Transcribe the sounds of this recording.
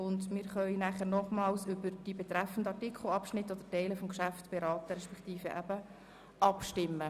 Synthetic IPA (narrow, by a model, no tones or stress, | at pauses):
ʊnd̪mɪːɾχœɪinæχəɾnɔχmɑːlsʏbəɾd̥ibɛt̪ɾæfən̩dəɑrtikʰχl̩ɑpʃnɪtːɔd̪ətɛɪləfɔmkʃæftb̥ɛɾɑːt̪əɾɛʃpɛkt̪iːfəʔæb̥ə | ʔɑpʃtɪmːə